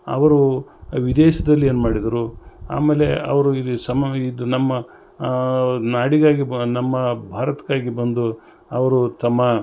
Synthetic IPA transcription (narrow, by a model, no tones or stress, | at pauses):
ɐ̰ʋɐɾuʋid̪eːʃɐd̪ɐlːie̞ːnumaːɽid̪ɐɾua̰ːmeːle̞ɐ̰ʋɐɾusɐmid̪unɐmːɐ | naːɽiɡaːɡinɐmːɐbʱaːɾɐt̪kaːɡibɐnd̪u | ɐʋɐɾut̪ɐmːɐ